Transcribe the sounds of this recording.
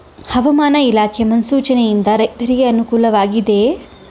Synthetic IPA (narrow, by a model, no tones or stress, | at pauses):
hɐʋɐmaːnɐilaːkʰemɐnsuːt͡ʃɐnejind̪ɐɾɐjt̪ɐɾiɡeɐnukuːlɐʋaːɡid̪e̞